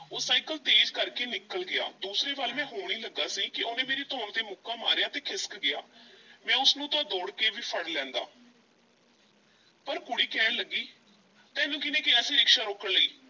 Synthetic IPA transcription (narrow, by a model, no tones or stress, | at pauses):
oːsaːikəlt̪eːd͡ʒkəɾkeːnɪkːəlɡɪja̰ːd̪uːsɾeːbaːlmɛ̃ːɦoːɽ̃iːləɡːaːsiːkɪoːnẽːmeːɾiːt̪õːɳt̪eːmʊkːaːmaːɾjaːt̪eːkʰɪskɡɪja̰ːmɛ̃ːʊsnũːt̪ãːd̪oːɽkeːʋiːpʰəɽlɛ̃ːnd̪a̰ː | pəɾkʊɽiːkɛːnləɡːiː | t̪ɛ̃ːnũːkɪnẽːkɪəsĩːɪkʃaːɾoːkəɽləiː